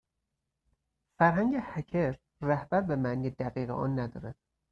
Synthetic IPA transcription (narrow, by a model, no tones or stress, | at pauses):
fæɾɦæŋɟehæcʰeɾː | æhbæɾbemæʔniːjed̪æɣiːɣeʔɒ̰ːnːæd̪ɒːɾæd̪̥